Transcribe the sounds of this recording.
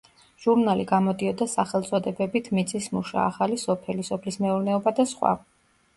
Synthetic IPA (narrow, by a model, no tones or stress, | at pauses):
ʒ̥uɾnaliɡamɔd̪iɔd̪asaχɛlˠt̪sʼɔd̪ɛbɛbit̪ʰmit̪sʰʼismuʃa̰ːχalisɔpʰɛlisɔpʰlismɛuɾnɛɔbad̪asχwa̰